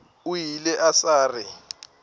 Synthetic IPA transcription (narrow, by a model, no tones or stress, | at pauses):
ujilɛʔasaːrɪ